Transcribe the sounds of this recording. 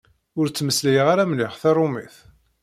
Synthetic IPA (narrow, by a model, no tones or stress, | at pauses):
ʊɾt͡sːməslæjəʁaɾamlɪʁθɑrˤʊmiθ